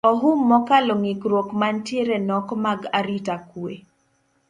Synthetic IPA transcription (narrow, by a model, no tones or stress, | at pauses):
ɔɦʊmːɔkaloŋikɾwokmantjeɾenɔkɔmaɡaɾitakwḛ